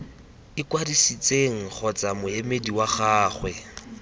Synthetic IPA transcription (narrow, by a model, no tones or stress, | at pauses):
ɪkwadisit͡sʼeŋ̩χʰɔt͡sʼamʊemediwaχaːχwɛ